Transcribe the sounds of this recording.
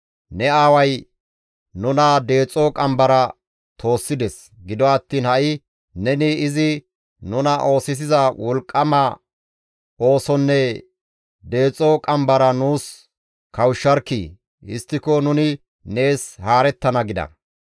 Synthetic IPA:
nɛaːwɐj | nʊnɐd̪e̞ːt͡sʼokʼɐmbɐɾɐ | t̪ʰo̞ːsːɪd̪ɛs | ɡɪd̪ɔɐt̪ːiːnhɐʔɪ | nɛnɪɪzɪ | nʊnɐʔo̞ːsɪs̬ɪzɐwʔɔlkʼːɐmɐ | o̞ːsɔnːɛ | d̪e̞ːt͡sʼːokʼɐmbɐɾɐnuːs | kɐwʃːɐɾkːḭː | ɪ̰st̪ːɪkɔnʊnɪ | ne̞ːshaːɾɛt̪ːɐnɐɡɪd̪ɐ̰

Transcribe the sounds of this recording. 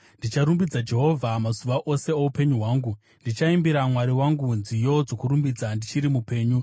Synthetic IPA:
ndit͡ʃaɾumbid͡zad͡ʒe̞ɦo̞vʱamasuʋaʔo̞se̞oupe̞ɲuɦwaːŋɡu | ndit͡ʃaimbiɾamwaɾiwaŋɡunzijo̞d͡zo̞kuɾumbid͡zandit͡ʃiɾimupe̞ːɲu

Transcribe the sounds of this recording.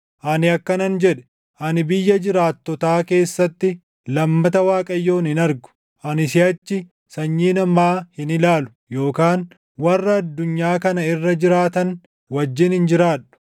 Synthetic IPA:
ʔɐnɪɐkːɐnɐnd͡ʒɛᶑɛ̥ | ʔɐnɪbɪjːɐd͡ʒɪɾaːt̪ːɔt̪aːke̞ːsːɐt̪ːɪ | lɐmːɐt̪ɐwaːkʼɐjːo̞ːnɪnɐɾɡʊ̥ | ʔɐnɪsɪɐt͡ʃːɪ | sɐɲːiːnɐmaːhɪnɪlaːlʊ̥ | jo̞ːkaːn | wɐrːɐːd̪ːʊɲːaːkɐnɐɪrːɐd͡ʒɪɾaːt̪ɐn | wɐd͡ʒːɪnhɪnd͡ʒɪɾaːᶑʊ̥

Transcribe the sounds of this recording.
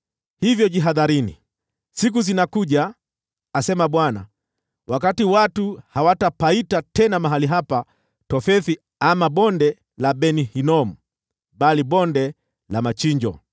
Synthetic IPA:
hivjɔʄiɦaðaɾinḭ | sik̬uzinakuʄaː | sɛmaɓwana̰ | wʔakatiwatuhawatapaitatɛnamaɦaliɦapa | tɔfɛθi | amaɓɔndɛ | laɓɛnihinɔm̩ | ɓaliɓɔndɛ | lamat͡ʃiɲd͡ʒɔ̰

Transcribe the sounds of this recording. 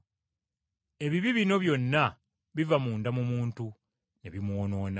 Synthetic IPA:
e̞βiβiβino̞βjo̞nːa | βivamuːndamumuːntu | ne̞̰βimwono̞ːna

